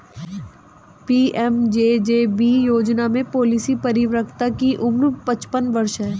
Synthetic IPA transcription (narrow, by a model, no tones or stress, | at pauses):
piːɛmd͡ʒeːd͡ʒeːbiːjoːd͡ʒnamẽpoːlisipɐɾɪʋɾəkt̪akiʔʊmɾpɐt͡ʃpənʋɐɾʃɦɛː